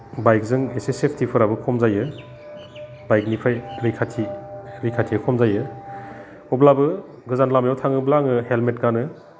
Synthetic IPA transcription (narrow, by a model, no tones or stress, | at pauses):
bajk̚zɯŋesesepʰtʰipʰɯɾabɯkʰɔmzajɯ | bajk̚nipʰajɾikʰatʰiɾikʰatʰijkʰɔmzajɯ | ɔblabɯ | ɡɯzanlamjawtʰaŋɯblaŋɯhelmet̚ɡanɯ